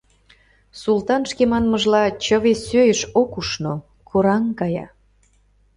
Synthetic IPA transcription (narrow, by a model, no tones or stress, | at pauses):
sult̪ɑnʃkemɑnməʒlɑt͡ɕəβesøjəʃokuʃno | kʰoɾɑŋkɑjɑ̰